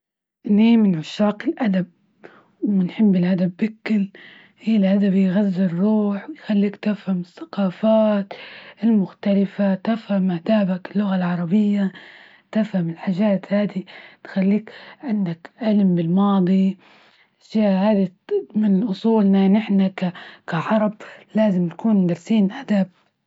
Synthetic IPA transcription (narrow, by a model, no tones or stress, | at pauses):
ʔniːmɪnʕʊʃːaːqɪlʔad̪ab̚ | wɪnħɪbːɪlʔad̪abːɪkːɪl | hiːlʔad̪abjɣazːɪrˤːuːħwɪjxalːiːkt̪ɪfhamɪθːḁqɑːfaːt̪ɪlmʊxt̪alɪfat̪afhamʔad̪aːbakɪlːʊɣalʕɑɾˤɑbɪjːa | t̪ɪfhamɪlħaʒaːt̪haːd̪it̪xalːiːkʕɪnd̪akʔalɪmbɪlmɑːd̪ˤi | ʃjaːʔhaːd̪imɪnʔʊsˤuːlnanɪħnakakaʕɑɾˤɑblaːzɪmt̪akuːnd̪ɑɾˤsiːnʔad̪aːb̚